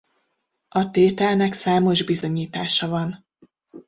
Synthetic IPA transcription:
ɒt̪eːt̪ɛlnɛksaːmo̞ʒbizo̞ɲiːt̪aːʃɒvɒn

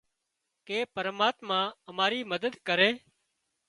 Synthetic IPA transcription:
keːpəɾmaːt̪mãːəmaːɾiːməd̪əd̪kəɾeː

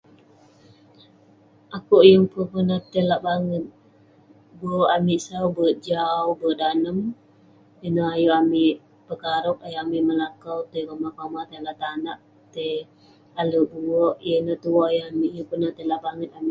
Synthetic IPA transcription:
ʔakoʔjəŋpupənat̪əlaʔbaŋət̪̚ | bəamiʔsawbəd͡ʒawbədanəm | jənəajuamiʔ | pəkaɾʊk̚ajuamiʔməlakawt̪əkamahpamat̪elaʔt̪anaʔ | t̪ə | aləʔbuwɔʔjənət̪uajəamiʔjəŋpənaht̪əlaʔbaŋət̪̚amiʔ

